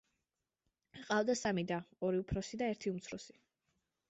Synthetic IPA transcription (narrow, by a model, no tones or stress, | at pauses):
qʼavd̪asamid̪aɔɾiupʰɾɔsid̪aɛɾt̪ʰiumt̪sʰɾɔsi̥